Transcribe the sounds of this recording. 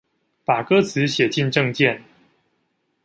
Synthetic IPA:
pa˨˩kɤ˥t͡sʰɹ̩˨˦ɕjɛ˨˩t͡ɕi˥˧nʈ͡ʂɤ˥˧ŋt͡ɕjɛ˥˨n

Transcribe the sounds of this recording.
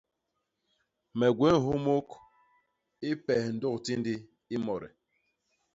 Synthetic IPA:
mɛ˨ɡwe˦n˨ɦo˦mo˦k | i˦pɛ˨hn̩˨dɔ˦kti˦ndi˦ | i˦mɔ˨ɾḭ˨

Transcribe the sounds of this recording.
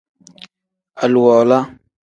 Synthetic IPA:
ʔa˨lwɔ˨la˦

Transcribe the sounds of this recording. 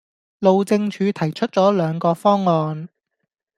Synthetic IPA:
lo˨˧wt͡sɪ˧ŋt͡ʃʰyː˨˧t̪ʰɐ˨˩jt͡ʃʰɵ˥t̚t͡sɔː˨˥lœː˨˧ŋkɔː˧fɔː˥ŋːɔː˧n

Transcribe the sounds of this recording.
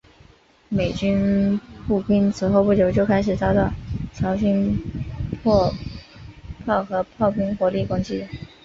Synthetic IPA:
me˨˩ɪt͡ɕy˥npu˥˩pi˥nt͡sʰɹ̩˨˩xo˥˧ʊpu˥˩t͡ɕjo˧˥ʊt͡ɕjo˥˩ʊkʰa˥ɪʂ̬ɻ̩˨˩t͡sɑ˥ʊt̪ɑ˥˩ʊt͡sʰjɑ˧˥ʊɕi˥n | pʰɔ˥˧ | pʰɑ˥˩ʊxɤ˧˥pʰɑ˥˩ʊpi˥ŋxwɔ˧˥li˥˩kʊ˥ŋt͡ɕi˥˩

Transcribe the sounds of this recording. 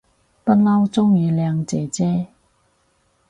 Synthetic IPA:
pɐ˥t̚lɐ˥wt͡sʊ˥ŋjiː˨˧lɛː˨˧ŋt͡sɛː˨t͡sɛː˥

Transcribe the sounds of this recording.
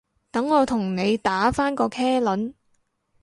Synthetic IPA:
t̪ɐ˨˥ŋːɔː˨˧t̪ʰʊ˨˩ŋne˨˧jt̪aː˨˥faː˥nkɔː˧kʰɛː˥lɐ˨˥n

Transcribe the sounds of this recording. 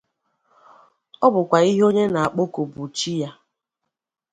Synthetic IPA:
ɔ˦bʊ˨kʷa˨i˦ɦo˦ɲe˦na˨a˨k͡po˦ko˨bu˨t͡ʃi˦ja˦

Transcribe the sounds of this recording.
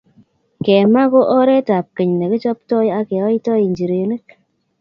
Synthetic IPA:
kɛ˨ma˦ko˦ʔɔ˦ɾɛ˦ta˨p̚ke˨ɲne˨ki˦t͡ʃɔ˦p̚tɔ˦ja˦kɛ˨ɔ˦ji˦tɔ˦ji˨ɲd͡ʒi˨ɾe˨ne˦k̚

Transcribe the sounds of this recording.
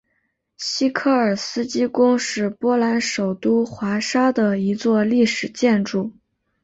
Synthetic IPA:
ɕi˥kʰɤ˥˩ə˞˨˩sɹ̩˥t͡ɕi˥kʊ˥ŋʂɻ̩˥˩pwɔ˥la˧˥nʂo˨˩ʊt̪u˥xwa˧˥ʂa˥d̪ə˨i˧˥t͡swɔ˥˧li˥˩ʂɻ̩˨˩t͡ɕjɛ˥˧nʈ͡ʂu˥˩

